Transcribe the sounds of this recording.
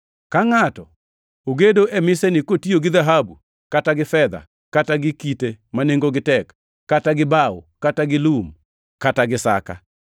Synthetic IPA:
kaŋatɔ | oɡedoʔɛmɪsɛnɪkotioɡɪðaɦabu | kataɡɪfɛd̪a̰ | kataɡɪkitemaneŋɡoɡɪtɛkː | ataɡɪbaṵkataɡɪlum | kataɡɪsa̰ka̰

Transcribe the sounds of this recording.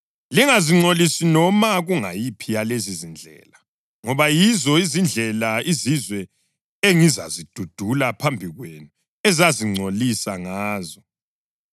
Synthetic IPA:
liŋaziŋ͡ǀolisinɔmaɣuŋajipʰijalezizind͡ɮʱɛ̰la | ŋɔβajizɔizind͡ɮʱɛlaizizwɛ | eŋiza̰zid̥ʱud̥ʱulapʰambʱiɣwenu | ɛzaziŋ͡ǀʱolisaŋaːzɔ

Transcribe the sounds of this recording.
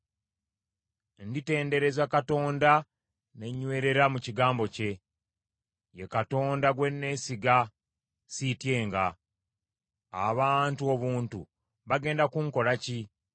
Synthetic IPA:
ndite̞ːnde̞ɾe̞zakato̞ːnda | ne̞ɲːwe̞ːɾe̞ɾamuciɡaːmbo̞ce̞ | je̞kato̞ːndaɡwe̞nːe̞siɡa | sitje̞ːŋɡa | βaːntuo̞βuːntṵ | βaɡe̞ːndakuŋko̞laci

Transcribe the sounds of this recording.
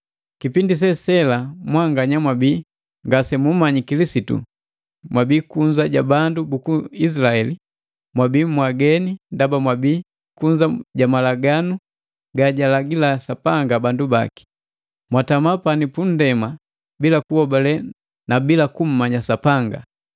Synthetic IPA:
kipindis̬ɛsɛlamwaŋɡaɲamwabiː | ŋɡasɛmum̩mːaɲikilisitṵ | mwabiːkuɲd͡ʒaɟabandubukuis̬ilaɛli | mwabiːmwaɡɛnindabamwabiː | kuɲd͡ʒaɟamalaɡanu | ɡaɟalaɡilasapaŋɡabanduba̰ki̥ | mwatamapanipun̩dɛma | bilakuhɔbalɛ | nabilakum̩maɲasapaŋɡa̰

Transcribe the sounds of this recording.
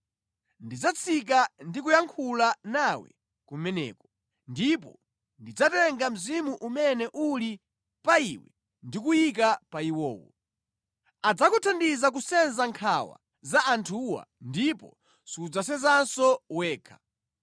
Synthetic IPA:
ndid͡zat͡sʰik̬andikujaŋkʰulanawɛ̰ | kumɛnɛ̰ːkɔ | ndipɔ̰ | ndid͡zatɛŋɡam̩zimuʔumɛnɛʔuli | paiwɛ̰ | ndikujik̬apaiwɔːwɔ̰ | ad͡zakutʰandizakusɛnzaŋkʰawa̰ | zaʔantʰuwa̰ndipɔ̰ | siud͡zasɛzansɔwɛːkʰḁ

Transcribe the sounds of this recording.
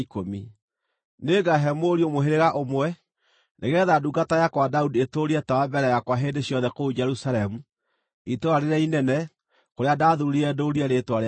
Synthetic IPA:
komi | neɡaɦɛmoɾiomoɦeɾeɣaʔomwɛ | neɣɛðaduɡatajakwadaudietoɾiɛtawabɛɾɛjakwaɦendeɕjɔðɛkoud͡ʒɛɾusalɛmu | itoaɾeɾainɛnɛ | koɾeadaːðuɾuɾiɾɛdoɾiɛɾetwaɾ

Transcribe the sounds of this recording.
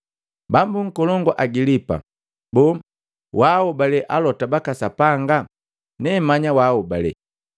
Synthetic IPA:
bambuŋ̩kɔlɔŋɡɔʔaɡilipa̰ | bɔ | waɔbalɛʔalɔtabakasapaŋɡa | nɛmaɲawaɔbalɛ̰

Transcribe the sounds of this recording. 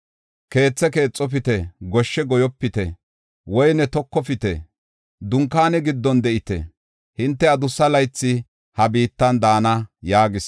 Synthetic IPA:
ke̞ːt͡sːɛke̞ːt͡sʼːɔp̬ɪt̪ɛɡɔʃːɛɡɔjɔpːɪt̪ɛ | wɔjnɛt̪ɔkːɔfɪt̪ɛ̰ | d̪ʊŋkaːnɛɡɪd̪ːɔnd̪ɛʔɪt̪ɛ̰ | hɪnt̪ːɛɐd̪ʊsːɐlɐjt͡sːɪ | hɐbiːt̪ːɐnd̪aːnɐjaːɡɪs

